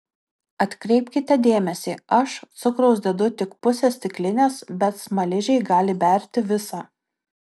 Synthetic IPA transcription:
ɐt̪ʲkɾʲɛɪpʲkʲɪt̪ʲɛd̪ʲeːmʲɛsʲiːɐʃt̪sʊkɾɒʊsʲd̪ʲɛd̪ʊt̪ʲɪkpʊsʲeːsʲt̪ʲɪklʲɪnʲeːsbʲɛt̪smɐlʲɪʒʲɛɪɡɑːlʲɪbʲɛˑɾʲt̪ʲɪʋʲɪsɑː

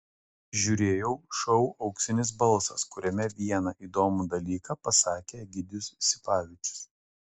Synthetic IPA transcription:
ʒʲuːɾʲeːjɛʊʃɔʊʔɐʊksʲɪnʲɪs̬bɐlˠˑsɐskʊɾʲɛmʲɛʋʲiɛnɑʔiːd̪oːmud̪ɐlʲiːkɑpɐsɑːkʲeɡʲɪd̪ʲɪjʊssʲɪpɑːʋʲɪt͡ʃʲʊ̥s

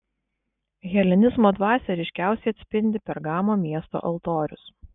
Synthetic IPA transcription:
ɣʲɛlʲɪnʲɪzmoːd̪ʋɑːsʲɛɾʲɪʃʲkʲæˑʊsʲɛɪɐt̪ʲsʲpʲɪnʲd̪ʲɪpʲɛɾɡɑːmoːmʲiɛst̪o̰ːʔɐlˠt̪oːɾʲʊs

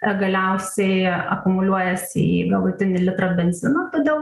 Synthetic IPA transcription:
ɡɐlʲɛʊsʲɛɪɐ̰kʊmʊlʲuɔjɛsʲɪ̰ḭɡɐlˠʊt̪ʲɪnʲɪlʲɪt̪ɾobʲɛnʲzʲɪnɐːt̪ɐd̪ʲeɛlˠ

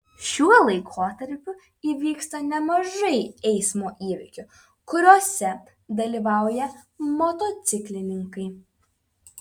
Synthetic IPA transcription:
ʃʲuɔlˠɐɪkʰoːt̪ɐɾʲpʲʊ | iːʋʲiːkst̪ɐnʲɛmɐʒɐɪɛɪsmoːʔiːʋʲɪ̰kʲʊ | kʊɾʲoːsʲɛ | d̪ɐlʲiːʋɑˑʊjɛmɔt̪oːt̪sʲɪklʲɪnʲɪŋkɐɪ

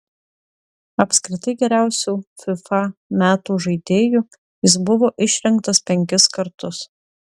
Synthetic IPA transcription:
ɐpʲsʲkɾʲɪt̪ɐɪɡʲɛɾʲæˑʊsʲuːfʲɪfɑmʲæːt̪uːʒɐɪd̪ʲeːjuː | jɪsbʊʋoːʔɪʃʲɾʲɛŋˑkt̪ɐspʲɛŋʲkʲɪskɐɾt̪ʊs

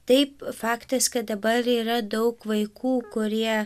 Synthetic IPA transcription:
t̪ɐɪpfɑːkt̪ɐskɐt̪̚d̪ɐbɐɾiːɾɐd̪ɐʊkʋɐɪkʰuːkʊɾʲiɛ

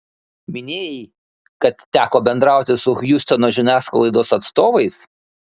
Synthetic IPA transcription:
mʲɪnʲeːjɛ | kɐt̪ːʲæːkoːbʲɛnd̪ɾɑˑʊt̪ʲɪsʊxjʊsʲt̪ʲɛnoːʒʲɪnʲæːskoːlˠɐɪd̪oːsɐt̪st̪oːʋɐɪs

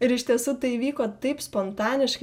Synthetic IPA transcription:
ɪɾɪʃʲt̪ʲiɛsuːt̪ɐɪiʋʲiːkoːt̪ɐɪpspɔnt̪ɑːnʲɪʃkɐ

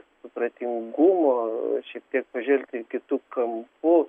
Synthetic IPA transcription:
sʊpɾɐt̪ʲɪŋɡumoʃʲiɛk̚t̪ʲiɛk̚pɐʒʲɛlʲt̪ʲɪkʲɪt̪uːkɐmpu

